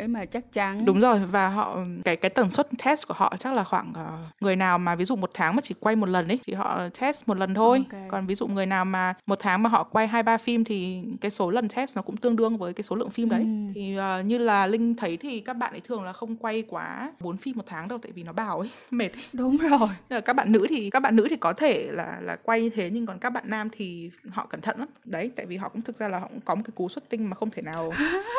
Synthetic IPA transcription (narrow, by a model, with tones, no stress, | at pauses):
ʔe˨˦maː˨˩t͡ɕa˦˥k̚t͡ɕa˨˦nɗʊ˨˦ŋ͡mzo˨˩jvaː˨˩ɦɔ̰˧˨kaː˨˦jkaː˨˦jt̪ə˨˩nswə˦˥t̚t͡ɕʰɛ˦˥sku˧˩əɦɔ̰˧˨t͡ɕa˦˥k̚laː˨˩xwaː˧˩ŋʔəː˨˩ŋɨ˨˩əjnaː˨˩wmaː˨˩vi˨˦zṵ˧˨mo˨˩t̚t̪ʰaː˨˦ŋmaː˨˩t͡ɕi˧˩kwa˧jmo˨˩t̚lə˨˩nʔə˨˦jt̪ʰi˨˩ɦɔ̰˧˨t͡ɕɛ˦˥smo˨˩t̚lə˨˩nt̪ʰo˧jkɔ˨˩nvi˨˦zṵ˧˨ŋ͡mŋɨ˨˩əjnaː˨˩wmaː˨˩mo˨˩t̚t̪ʰaː˨˦ŋmaː˨˩ɦɔ̰˧˨kwa˧jɦaː˧jɓaː˧fi˧mt̪ʰi˨˩kaː˨˦jso˨˦lə˨˩nt͡ɕɛ˦˥s̚nɔ˨˦kʊ̰˧˥ŋ͡mt̪ɨ˧əŋɗɨ˧əŋvəː˨˦jkaː˨˦jso˨˦lɨ̰˧˨əŋfi˧mɗə˨˦jt̪ʰi˨˩ʔəː˨˩ɲɨ˧laː˨˩lï˧ŋ̟t̪ʰə˨˦jt̪ʰi˨˩kaː˦˥k̚ɓa̰ː˧˨nʔə˨˦j̪ʰɨ˨˩əŋlaː˨˩xə˧wŋ͡mkwa˧jkwaː˨˦ɓo˨˦nfi˧mːo˨˩t̚t̪ʰaː˨˦ŋɗə˧wt̪a̰ː˧˨vi˨˩nɔ˨˦ɓaː˨˩wʔə˨˦j | me˨˩t̚ɗʊ˨˦ŋ͡mo˨˩jːkaː˦˥k̚ɓa̰ː˧˨nːɨ̰˧˥t̪ʰi˨˩kaː˦˥k̚ɓa̰ː˧˨nɨ̰˧˥t̪ʰi˨˩kɔ˨˦t̪ʰe˧˩la̰ː˨˩la̰ː˨˩kwa˧jɲɨ˧t̪ʰe˨˦ɲɨ˧ŋkɔ˨˩nkaː˦˥k̚ɓa̰ː˧˨nːaː˧mt̪ʰi˨˩hɔ̰˧˨kə˧˩nt̪ʰə̰˧˨nʔɗə˨˦jt̪a̰ː˧˨jvi˨˩ɦɔ̰˧˨kʊ̰˧˥ŋ͡mt̪ʰɨ˨˩k̚zaː˧laː˨˩hɔ̰˧kʊ̰˧˥ŋ͡mkɔ˨˦m̚˨˩kaː˨˦jku˨˦swə˦˥t̚t̪ï˧ŋ̟maː˨˩xə˧wŋ͡mt̪ʰe˧˩naː˨˩w